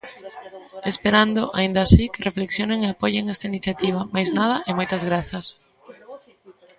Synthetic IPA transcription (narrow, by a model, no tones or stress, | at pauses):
espeɾand̪oʔa̰ĩnd̪aːsikɪrefleksjoneŋeapoʎeŋɛst̪ɐiniθjat̪iβ̞ɐmajznað̞ɐʔemojt̪ɐzɣɾaθɐs